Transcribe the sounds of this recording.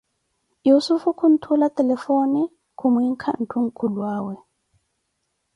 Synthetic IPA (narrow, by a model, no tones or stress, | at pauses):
jusufukʰun̩tʰulatʼɛlɛfoni | kʰumwiŋ̩kʰa̰n̩tʰuŋ̩kʰulwaːwɛ